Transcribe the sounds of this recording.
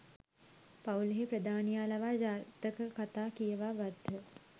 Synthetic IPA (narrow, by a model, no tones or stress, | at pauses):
pawləɦepɾəd̪ʱaːnijaːlaʋaːd͡ʒaːt̪əkəkat̪aːkijəʋaːɡat̪ːə